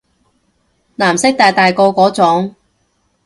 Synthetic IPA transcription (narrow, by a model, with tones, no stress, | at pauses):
naː˨˩msɪ˥k̚t̪aː˨jt̪aː˨jkɔː˧kɔː˨˥t͡sɔ˨˥ŋ